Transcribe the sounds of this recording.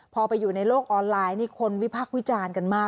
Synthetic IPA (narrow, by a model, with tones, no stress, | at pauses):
pʰɔː˧pa˧jːuː˨˩na˧jloː˥˩k̚ʔɔː˧nlaː˧jniː˥˩kʰo˧nwi˦˥pʰaː˥˩k̚wi˦˥t͡ɕaː˧nka˧nmaː˥˩